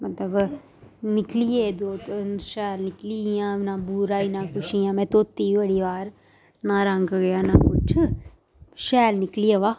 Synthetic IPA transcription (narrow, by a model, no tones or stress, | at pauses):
mɐt̪lɐb | niklijeːd̪oːt̪ʃaːlniklijãːnãːbuːɾaːinãːkuʂijãːmẽːt̪oːt̪ːiːʋɐɽiʋaːɾ | naːɾaːŋɡɐɡɐjaːnaːkut͡ʃʰɨ | ʃaːlniklijɐʋaː